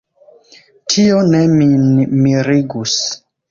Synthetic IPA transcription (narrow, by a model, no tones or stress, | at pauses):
tʰionemimiɾiɡus